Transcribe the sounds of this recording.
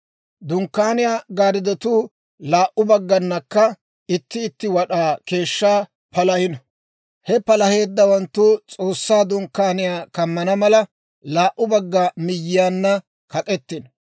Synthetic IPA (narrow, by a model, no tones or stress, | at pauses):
d̪ʊŋkːaːnɪjaːɡaːɾɪd̪ɔt̪uː | laːʔʊbɐɡːɐnːɐkːɐ | ɪt̪ːɪːt̪ːɪwɐɗaːke̞ːʃːaː | pɐlɐhɪnɐ | hɛpɐlɐhe̞ːd̪ːɐwɐnt̪ːʊt͡sʼo̞ːsːaːd̪ʊŋkːaːnɪjaːkɐmːɐnɐmɐlɐ | laːʔʊbɐɡːamɪjːɪjaːnːɐ | kɐkʼɛt̪ːɪn